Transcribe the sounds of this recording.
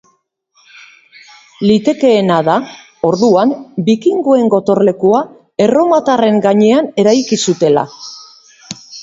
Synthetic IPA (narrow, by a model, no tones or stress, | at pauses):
lit̪e̞ke̞ːnaða | o̞ɾðuambikiŋɡoe̞ŋɡo̞t̪o̞ɾle̞kua | e̞ro̞mat̪are̞ŋɡaɲe̞ane̞ɾajkisut̪e̞la̰